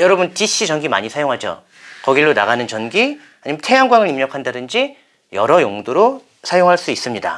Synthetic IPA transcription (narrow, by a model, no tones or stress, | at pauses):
jʌɾʌbunt͡ɕiɕ͈ʰit͡ɕʌnɡima̰ɲisʰajoŋɦad͡ʑo̰ | kʌɡiɭːona̰ɡanɯnt͡ɕʌnɡi | aɲintʰeanɡwaŋɯɭimɲʌkʰandadɯnd͡ʑi | jʌɾʌjoŋdoɾo | sʰajoŋɦaɭs͈uis͈ɯmɲida̰